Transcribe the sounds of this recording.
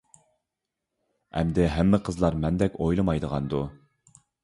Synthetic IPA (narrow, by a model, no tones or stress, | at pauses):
ɛ̰md̪ɪɦæmːɪqʰəzlˠɑɾmɛnd̪ɛkʲojlˠɨmɑjd̪əʁɑnd̪u